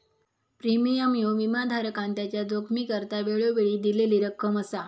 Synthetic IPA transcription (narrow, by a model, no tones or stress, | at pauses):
pɾimijəmjoʋimad̪ʱaɾəkãnt̪jat͡ɕjad͡zokʰmiːkəɾt̪aʋeɭoʋeɭiːd̪ileliːɾəkʰːəməsa